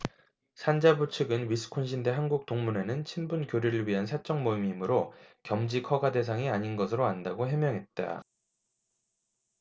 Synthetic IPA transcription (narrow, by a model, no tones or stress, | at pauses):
sʰand͡ʑabut͡ɕʰɯɡɯnwisʰɯ̥kʰonɕʰinde̞ɦanɡuk̚t͈oŋmune̞nɯnt͡ɕʰinbunkjoɾiɾɯɭɥiɦansʰat͡ɕ͈ʌŋmoimimɯɾokjʌmd͡ʑikʰʌɡade̞s̬ʰaŋiaɲinɡʌsʰɯɾoandaɡoɦjʌmjʌŋɦe̞t̚t͈a̰